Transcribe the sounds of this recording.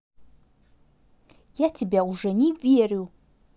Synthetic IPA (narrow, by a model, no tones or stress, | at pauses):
jatʰibʲauʐɐnivjeriw